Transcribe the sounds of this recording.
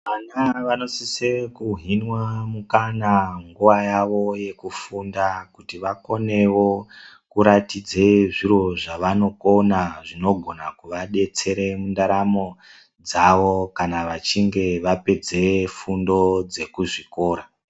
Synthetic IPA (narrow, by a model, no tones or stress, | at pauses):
ʋanaʋano̞sisekuɦinwamukanaŋɡuʋajaʋo̞je̞kufundakutiʋako̞ne̞wo̞ | kuɾatid͡zeʐiɾo̞ʐaʋano̞konaʐino̞ɡʱo̞nakuʋaɗe̞t͡se̞ɾe̞mundaɾamo̞ | d͡zaʋo̞kanaʋat͡ʃiŋɡe̞ʋape̞d͡ze̞fundo̞d͡ze̞kuʐiko̞ːɾa